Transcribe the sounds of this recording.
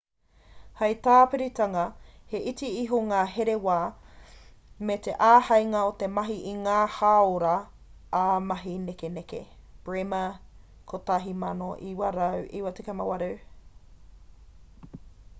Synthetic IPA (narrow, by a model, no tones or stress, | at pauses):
hɐjt̪aːpeɾit̪ɐŋɐ | heʔitiiɦoŋaːɦeɾewaː | met̪eʔaːhɐjŋɐot̪emɐɦiʔiŋaːhaoɾɐ | amɐɦinekenekḛ | b̥ɹemɐ | kʰot̪aɦimɐnoʔiwɐɾɐwʔḭwɐtikemɐwɐɾɐ